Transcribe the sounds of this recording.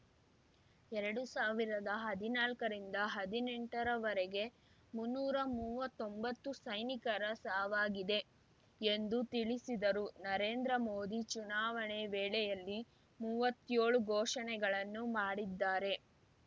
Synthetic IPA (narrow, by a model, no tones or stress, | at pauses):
ɛɾɐɽusaːʋiɾɐd̪ɐɦɐd̪inaːlkɐɾind̪ɐɦɐd̪ineɳʈɐɾɐʋɐɾɛɡe̞ | munːuːɾɐmuːʋɐt̪ːombɐt̪ːusɐjnikɐɾɐsaːʋaːɡid̪e̞ | end̪ut̪iɭisid̪ɐɾunɐɾeːnd̪ɾɐmoːd̪it͡ʃunaːʋɐɳeʋɛːɭɛjɐlːi | muːʋɐt̪ːjoːɭuɡʱɔːʂɐnɛɡɐɭɐnːumaːɽid̪ːaːɾe̞